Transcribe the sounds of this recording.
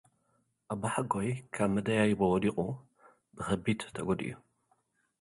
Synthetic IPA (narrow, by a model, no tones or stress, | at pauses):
ʔaβaħaɡojkʰaβmɐd̪ɐjajɪbɐwɔd̪iqʼu | bɨxɐbid̪t̪ʰɐɡod̪ḭju